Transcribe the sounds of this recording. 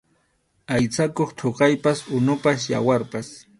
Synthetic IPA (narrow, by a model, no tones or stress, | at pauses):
ajt͡sakoχt̪ʰoqɑjpasʊnʊpas̬ja̰waɾpas